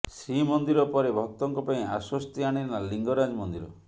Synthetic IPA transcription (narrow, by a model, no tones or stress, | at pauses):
sɾimɔnd̪iɾɔpɔɾebʱɔk̚t̪ɔŋkɔpaĩaswɔst̪iaɽ̃iɾnaliŋɡɔɾad͡ʒmɔnd̪iɾɔ̰